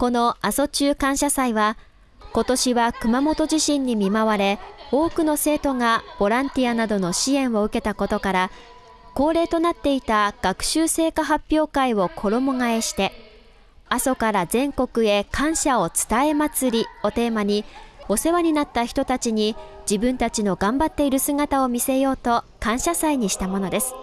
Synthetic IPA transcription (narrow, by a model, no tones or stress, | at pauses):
ko̞no̞aso̞t͡ɕɨːkãɰ̃ɕasaiβa | ko̞t̪o̞ɕiβakɯ̟mamo̞t̪o̞ʑiɕĩɲ̟ːimʲimaβaɾe̞o̞ːkɯ̟no̞se̞ːt̪o̞ŋab̥o̞ɾãnt̪ʲianad̪o̞no̞ɕiẽ̞ɰ̃o̞ɯ̟ke̞t̪ako̞t̪o̞kaɾa | ko̞ːɾe̞ːt̪o̞nat̪ːe̞it̪aɡ̥akɯ̟̥ɕɨːse̞ːkaɦapʲːjo̞ːkaiβo̞kʰo̞ɾo̞mo̞ŋae̞ɕi̥t̪e̞ | aso̞kaɾazẽ̞ŋko̞kɯ̟e̞kʰãɰ̃ɕao̞t͡sɨ̥t̪ae̞mat͡sɨɾʲio̞t̪e̞ːmaɲ̟io̞se̞βaɲ̟inat̪ːaçi̥t̪o̞t̪at͡ɕiɲ̟id͡ʑibɯ̟̃nt̪at͡ɕino̞ɡãmbat̪ːe̞iɾɯ̟sɨɡat̪ao̞mʲise̞jo̞ːt̪o̞kãɰ̃ɕasaiɲ̟iɕi̥t̪amo̞no̞d̪e̞sɨ̥